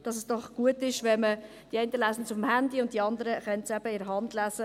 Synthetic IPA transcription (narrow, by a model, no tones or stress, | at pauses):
d̥ɑsɛsd̥ɔχɡ̥uətɪʃʋɛmə | d̥iɛɪntəlæːsn̩sʊfmhændiʊnt̚diɑndəɾəχœntsɛbəɪɾɦɑndlæsə